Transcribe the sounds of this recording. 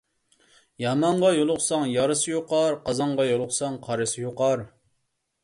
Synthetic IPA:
jɑmɑɴʁɑjolˠʊχsɑŋjɑɾɨsɨjoqɑɾqʰɑzɑɴʁɑjolˠʊχsɑŋqʰɑɾɨsɨjoqɑɾ

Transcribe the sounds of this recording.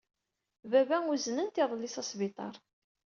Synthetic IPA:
vævæŋuznənt̪ɪðˤlːisɑsbit̪ˤɑ̰ɾˤ

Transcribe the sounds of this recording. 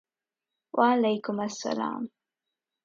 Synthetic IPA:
wʔaalajkʊmasːa̰la̰ːm

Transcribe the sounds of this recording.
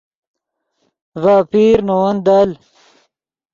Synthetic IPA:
vaːpiːɾnowɐnd̪al

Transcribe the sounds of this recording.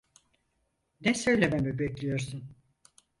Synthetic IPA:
nɛsø̞jlʲememibɛklʲijo̞ɾsun

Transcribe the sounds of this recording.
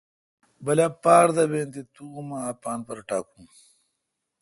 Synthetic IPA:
bɐlaːpaːɾd̪ɐbeːnt̪it̪uumaːpaːnpɐɾʈaːkũː

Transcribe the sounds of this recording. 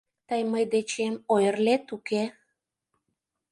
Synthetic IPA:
t̪əjməjd̪et͡ɕemojərlet̪uke

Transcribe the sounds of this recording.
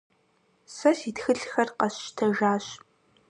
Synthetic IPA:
sɐsitxɨɬxɐrqɐɕtʰɐʒaːɕ

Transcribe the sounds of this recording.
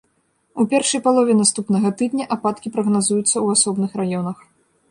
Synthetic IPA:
upʲɛrʂɐjpalˠɔvʲɛnast̪upnɐɣɐt̪ɨd̪nʲɐʔapat̪kʲipɾɐɣnazujut̪sːɐwasɔbnɨxɾajɔnɐx

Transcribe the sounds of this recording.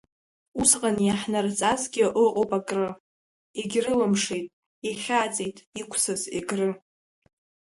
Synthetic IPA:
usqʼanjaħnart͡sʼazɡʲɪʔɨqʼopʼakʼrɨ | eɡʲrɨlamʂejtʼ | iχʲaːt͡sʼejtʼikʷʰsɨzḛɡrɨ

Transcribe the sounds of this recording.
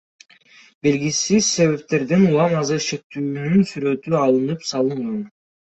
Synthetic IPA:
be̞lɡisiz̥se̞βe̞p̚t̪e̞ɾd̪enulˠɑmɑzɯɾʃe̞k̚t̪yːnynsyɾø̞t̪yɑlˠɯnɯpsɑlˠɯɴdɑn

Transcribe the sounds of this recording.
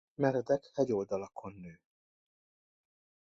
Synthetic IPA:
mɛɾɛd̪ɛkhɛɟo̞ld̪ɒlɒkʰo̞nːøː

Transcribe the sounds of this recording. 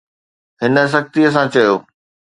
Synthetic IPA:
ɦɪnə̆s̬ɐxt̪iɐs̬ãt͡ɕɐjoː

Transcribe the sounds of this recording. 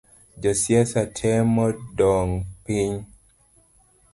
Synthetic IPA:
d͡ʒɔsjɛsatʰɛmɔdɔŋpiɲ

